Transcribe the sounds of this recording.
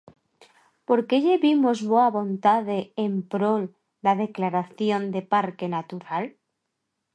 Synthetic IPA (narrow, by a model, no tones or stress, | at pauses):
po̞ɾke̞ʎe̞βimozβoaβo̞nt̪aðe̞ːmpɾo̞l | d̪aðe̞klaɾaθjo̞nd̪e̞paɾke̞nat̪uɾal